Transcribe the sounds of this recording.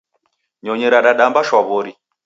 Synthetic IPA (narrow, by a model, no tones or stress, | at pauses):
ɲɔɲɛɾaɗaɗambaʃwaβɔɾi